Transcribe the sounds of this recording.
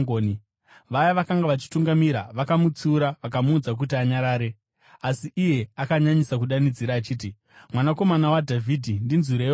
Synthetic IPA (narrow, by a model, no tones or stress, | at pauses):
oni | ʋajaʋakaŋɡaʋat͡ʃi̥tuŋɡamiɾa̰ʋakamut͡suːɾaʋak̬amuːd͡zak̬utiaɲaɾaːɾe̞ | asiʔije̞akaɲaɲisak̬uɗanid͡ziɾaːt͡ʃiːti | mwanako̞manawadʱavʱidʱindinzuɾe